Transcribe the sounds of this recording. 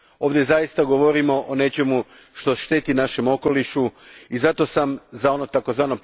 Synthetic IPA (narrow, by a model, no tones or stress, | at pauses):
o̞ːʋd̪je̞zajist̪aɡoʋo̞ɾimo̞ʔone̞t͡ɕe̞mu | ʃt̪oʃt̪e̞t̪inaʃe̞mo̞ko̞liʃuizat̪o̞samzao̞no̞t̪ako̞zʋaːno̞p